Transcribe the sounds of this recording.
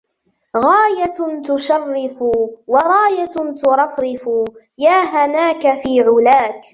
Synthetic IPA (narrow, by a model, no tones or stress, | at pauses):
ɣaːjat̪ʊʃɑrːɪfuwɑɾˤɑːjat̪ʊɾˤɑfɾɪfu | jaːɦanaːkafiːʕʊlaːk